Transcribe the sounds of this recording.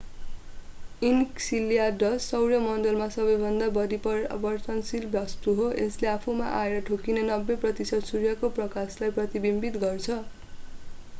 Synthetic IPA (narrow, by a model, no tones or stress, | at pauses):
inksilijaɖʌsːʌwɾjʌmʌndʌlmasʌbʌjbʱʌnd̪abʌɾipʌbʌrt̪ʌnsilbjʌst̪uɦoʔesleapʰuma̰ʔaeɾʌʈʰokinenʌbːeprʌt̪isʌd̪surjʌkoprʌkaslajprʌt̪ibimbit̪ɡʌrt͡sʰʌ